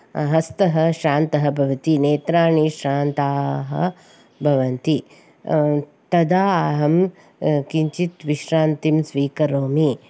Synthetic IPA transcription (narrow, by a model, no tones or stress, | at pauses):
ɦɐst̪ɐɦɐ̆ʃaːnt̪ɐɦɐ̆bʱɐʋɐt̪ineːt̪ɾaːɳiʃɾaːnt̪aːɦɐ̰ | bʱɐʋɐnt̪i | t̪ɐd̪aːɦɐm | kiɲt͡ʃit̪ʋiʃɾaːnt̪imsʋiːkɐɾoːmi